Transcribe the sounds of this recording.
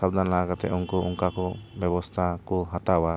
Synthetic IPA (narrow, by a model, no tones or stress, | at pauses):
sabd̪anlakat̪ɛ̰ʔɔŋkɔʔuŋkakɔbɛbɔst̪ʰakɔɦat̪awa